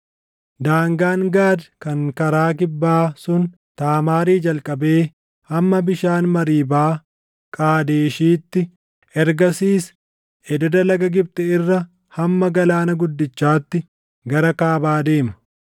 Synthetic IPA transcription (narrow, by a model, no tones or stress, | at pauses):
d̪aːŋɡaːŋɡaːd̪kɐŋkɐɾaːkɪbːaːsʊn | t̪aːmaːɾiːd͡ʒɐlkʼɐbe̞ː | hɐmːɐbɪʃaːnmɐɾiːbaː | kʼaːd̪eːʃiːt̪ːɪ | ɛɾɡɐsiːs | ʔɛd̪ɐd̪ɐlɐɡɐɡɪb̚t̪ʼɛɪrːɐ | hɐmːɐɡɐlaːnɐɡʊd̪ːɪt͡ʃːaːt̪ːɪ | ɡɐɾɐkaːbaːd̪e̞ːmɐ̥